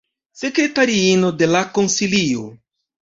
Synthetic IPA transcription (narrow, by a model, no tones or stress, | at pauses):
sekɾetaɾiinodelakonsilio̰